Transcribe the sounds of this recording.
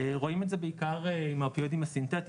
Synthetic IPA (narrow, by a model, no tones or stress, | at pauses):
ʁo̞imetzebeikaʁeimapiod̪imasintet̪